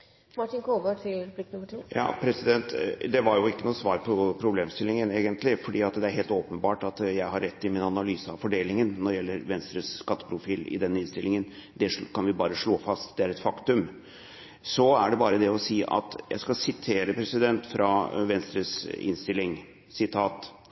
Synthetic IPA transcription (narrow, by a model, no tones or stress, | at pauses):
mɑʈɪnkʰoːʋəʈʰɪlblɪkːnʊməʈʰɪjɑ̰ːpʰɾɛsɪd̪ɛnt̪d̪ɛʋɑɾjʊɪkːənuːsʋɑːɾpʰɔpʰɾʊbleːmst̪ɪlːɪŋəneːɡənt̪lɪfɔɖiːɑt̪d̪ɛæɾɦeːlt̪oːpənbɑːʈɑt̪jæɪɦɑɾːɛt̪ːɪmɪnɑnɑlyːsəɑʋfɔɖeːlɪŋənːɔdɛjɛlːəɾʋɛnst̪ɾəsːkɑt̪ːə̥pʰɾʊfiːlɪ̰d̪ɛnːɪnst̪ɪlːɪŋənd̪ɛʂkʰɑnʋɪbɑːɾəʂɭoːfɑst̪d̪ɛæɾɛt̪fɑkt̪ʉm | sɔæɖɛbɑːɾəd̪ɛɔsiːʔɑ̰t̪jæ̰ɪskɑsɪt̪ʰeːɾəpʰɾɛsɪd̪ɛnt̪fɾɑʋɛnst̪ɾəsɪ̰nst̪ɪlːɪŋ | sɪt̪ʰɑːt̪